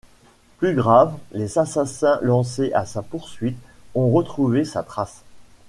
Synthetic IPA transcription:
plyɡʁavlezasasɛ̃lɑ̃s̬eʔasapuʁsɥit̪ɔ̃ʁət̪χuvesat̪χas

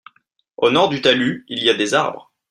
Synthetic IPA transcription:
onɔʁd̪yt̪alyilijad̪ezaʁbʁ

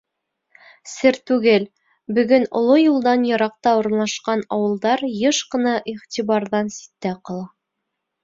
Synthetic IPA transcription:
sɘɾt̪ʉɡɘl | bɵ̆ɡɵnŏ̰lˠojulˠd̪ɑnjɤ̆ɾɑq̚t̪ɑuɾ̆nlˠɑʃqɑnɑwɤ̆lˠd̪ɑɾjɤʃqɤ̆nɑʔiʁt̪ʲiβɑɾðɑnsi̥t̪ːæqɤ̆lˠɑ

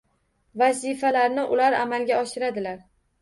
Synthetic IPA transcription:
vazifalaɾnɪʔʊlaɾa̰malɡʲaɒʃɪɾad̪ɪlaɾ

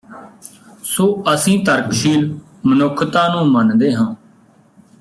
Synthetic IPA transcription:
soːəsĩːt̪əɾkʃiːl | mənʊkʰːt̪ãːnũːmənd̪eːɦãː

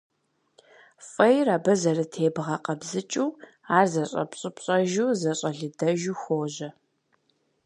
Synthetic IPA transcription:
fʼɐjraːbɐzɐrɨtʰeːbʁɐqɐbzɨt͡ʃʼuː | aːrzɐɕʼɐ̰pɕʼɪpɕʼɐʒuːzɐɕʼɐɮɨdɐʒuːxʷoːʑɐ

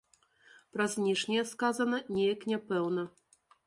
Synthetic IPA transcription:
pɾɐzʲnʲiʂnʲɛjɛskazɐnɐnʲɛjɐknʲɛpɛwnɐ

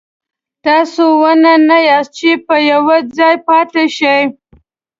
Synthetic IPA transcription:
t̪ɑsowənanajɑst͡ʃepəjawad͡zɑjpɑt̪eʃəj

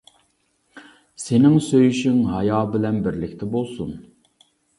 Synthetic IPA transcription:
senɪŋsøjyʃyŋɦɑjɑːbɪlɛnbɪɾlɪkʲt̪ʰɛbolˠsun

